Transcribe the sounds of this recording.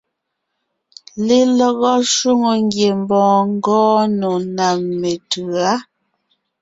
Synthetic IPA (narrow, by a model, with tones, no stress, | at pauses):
le˦lɔ˨ɣɔ˦ʃwu˦ŋo˨ŋɡje˨m˦bɔ̃ː˨ŋ˦ɡɔ̃ː˦no˨na˨mːe˨tʉ˨a˦